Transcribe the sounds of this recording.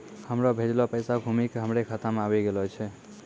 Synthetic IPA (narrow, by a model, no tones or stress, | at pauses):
həmɾɔbʱed͡ʒlɔpəjsaɡʱumikeɦəmɾekʰət̪amabiɡelɔt͡ʃʰɛ